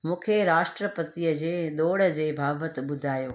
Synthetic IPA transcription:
mũːkʰeɾaːʃʈɾəpət̪iəd͡ʑeːɗ̪oːɽ̤əd͡ʑeːbʱaːbət̪̆ɓʊd̪ʱaːjoː

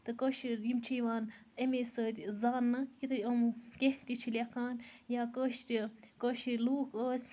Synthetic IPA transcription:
t̪ɨkəʃijimt͡ʃʰiʋaːnemeːsəːt̪ʲzaːnːɐkit̪ɨɐmkʲeɦt̪it͡ʃʰilʲekʰaːnjaːkəːʃɾikəːʃɾluːkəːsʲ

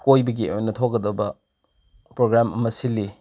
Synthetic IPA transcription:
kojbɐɡiʔojnɐtʰok̚ɡɐdɐbɐ | pɾoɡɾamɐ̰mɐsilːi

